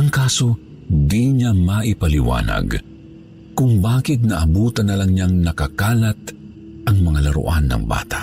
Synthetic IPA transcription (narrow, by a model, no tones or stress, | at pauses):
ʔɐŋkaːso̞ | d̪iɲamaʔɪpɐlɪwa̰ːnɐ̰ɡ | kʊŋbaːkɪt̪̚nɐʔɐbuːt̪ɐnːɐlɐŋɲaŋnɐkɐkaːlɐt̪̚ | ʔɐŋmɐŋalɐɾʊ̰ʔanːɐ̰ŋba̰ːt̪ḁ